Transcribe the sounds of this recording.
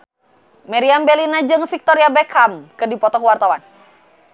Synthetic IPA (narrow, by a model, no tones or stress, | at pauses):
mɛɾiambɛlinad͡ʒɨŋfik̚t̪ɔɾiabɛkʰamkɨrdipɔt̪ɔɦuwart̪awan